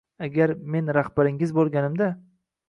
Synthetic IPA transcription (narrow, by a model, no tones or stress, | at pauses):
aɡʲaɾme̞nɾahbaɾɪŋɪzbolˠɡʲanɪmd̪a